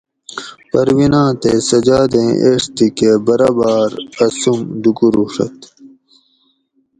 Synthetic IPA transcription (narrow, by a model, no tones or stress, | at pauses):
pɐɾwinãːt̪esɐd͡ʑaːd̪ẽːʔeːʂt̪ikebɐɾaːbaːɾɐsumd̪ukuɾuʂɐ̰t̪